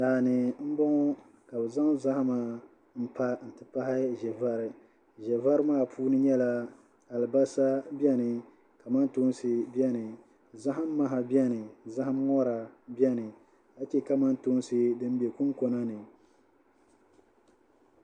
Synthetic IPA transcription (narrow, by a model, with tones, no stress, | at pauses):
daː˨nɨ˨m̩˦bɔ˦ŋɔ˦ | ka˨bɨ˨za˦ŋza˦ha˦ma˨ | m̩˦pa˦n̩˨tɨ˨pa˦hɪ˦ʒɛ˨va˦ɾɪ˨ | ʒɛ˨va˦ɾɨ˦maː˦˨pʰuː˦nɨ˦ɲɛ˦la˦ | a˨lɨ˨ba˦sa˦bɛ˦nɨ˨ | ka˨ma˦n˦to˦n˦sɨ˨bi˦ɛ˦nɨ˨ | za˦ɦa˦m̩ː˦a˦ɦa˨bjɛ˦nɨ˨za˦ha˦m˦ŋɔ˦ɾa˨bɛ˦nɨ˨ | a˦t͡ʃɛ˦ka˦ma˦nto˦nsɨ˦dɨ˦m˦bɛ˨ku˦ŋko˨na˦nɨ˨